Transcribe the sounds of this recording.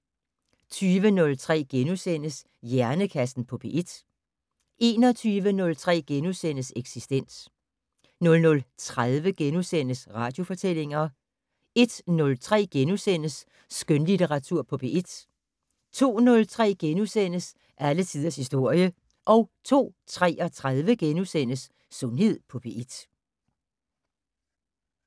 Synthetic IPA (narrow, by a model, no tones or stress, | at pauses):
t͡sʰyːʋənɔ̽lt͡sʰʁɛ̰ːɡ̥enusen̰əs | jæɐnəkʰæsn̩pʰɒ̽b̥e̝ʔe̝d̥ | e̝ːnɒt͡sʰyːʋənɔ̽lt͡sʰʁɛ̰ːɡ̥enusen̰əseɡ̥sisd̥en̰s | nɔ̽lnɔ̽lt͡sʰʁaðˠʋəɡ̥enusen̰əsʁɑ̈ːd̥jo̝fɒ̽t͡sʰel̰e̝ŋɐ | e̝d̥nɔ̽lt͡sʰʁɛ̰ːɡ̥enusen̰əsː | ɡ̥ønlit͡seʁɑ̈t͡sʰuɐ̰pʰɒ̽b̥e̝ʔed̥ | t͡sʰo̝̰ːnɔ̽lt͡sʰʁɛ̰ːɡ̥enusen̰əs | ʔælət͡sʰiðˠɐshisd̥o̝ɐ̰jə | ʔɒ̽ʊt͡sʰo̝̰ːt͡sʰʁɛ̰ːɒ̽t͡sʰʁað̞ˠʋəɡ̥enusen̰əsː | ɔ̽nhe̝ð̞̰ˠpʰɒ̽b̥e̝ʔid̥